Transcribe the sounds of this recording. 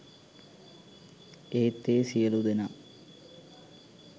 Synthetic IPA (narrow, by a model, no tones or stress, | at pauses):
eːt̪ːesijɐlud̪ɐna